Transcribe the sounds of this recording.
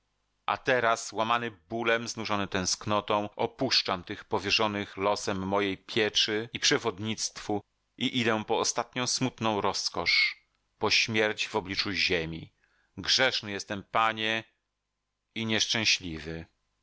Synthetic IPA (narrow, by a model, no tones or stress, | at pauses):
ʔa̰t̪ɛɾaswamanɘbulɛmznuʐɔnɘt̪ɛ̃w̃sknɔt̪ɔ̃w̃ɔpuʂt͡ʂamt̪ɘxpɔvʲjɛʐɔnɘxlɔsɛmːɔjejpʲʰjɛt͡ʂɘipʂɛvɔd̪ɲit̪st̪fu | ʔiʔid̪ɛ̃pɔːst̪at̪̚ɲɔ̃w̃smut̪nɔ̃w̃ɾɔskɔʂ | pɔɕmʲjɛɾd͡ʑvɔblʲit͡ʂuʑemʲi | ɡʐɛʂnɘjɛst̪ɛmpaɲɛ | iɲɛʂt͡ʂɛ̃w̃ɕlʲivɘ